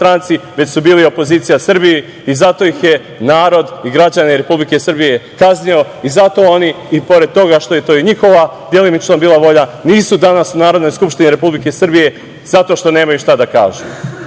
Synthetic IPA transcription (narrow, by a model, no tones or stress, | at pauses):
t̪ɾaːnt̪siʋe̞t͡ɕsubiːlio̞po̞ziːt̪sijasr̩biji | izat̪o̞jixje̞ | naːɾo̞d̪iɡɾad͡ʑaneɾe̞publike̞sr̩bije̞kaznio̞ | izat̪o̞o̞ni | ipo̞ɾe̞d̪̚t̪o̞ɡaʃt̪o̞je̞t̪o̞ːiɲixo̞ʋad̪je̞limit͡ʃnobiːlˠaʋo̞ʎaniːsud̪anasunaːɾo̞d̪no̞jskupʃt̪iniɾe̞publike̞sr̩bije̞ | z̥at̪o̞ʃt̪o̞ne̞ːmajuʃt̪ad̪aka̰ːʒu